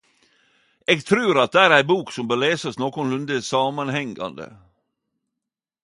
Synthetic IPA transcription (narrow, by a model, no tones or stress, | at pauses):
eːɡt̪ʰɾʉːɾɑt̪̚d̪ɛæːɾæɪbuːksɔmbəːleːsɑsnoːkʊnlʉnd̪əsɑːmɑnhɛŋɡɑ̰nd̪ə̰